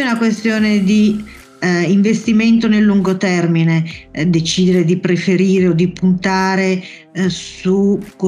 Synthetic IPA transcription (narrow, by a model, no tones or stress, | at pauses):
unakwest̪joːned̪i | iɱvest̪iment̪onelːuŋɡot̪ɛrmined̪et͡ʃiːd̪eɾed̪ipɾefeɾiːɾeod̪ːipunt̪aːɾe | sukː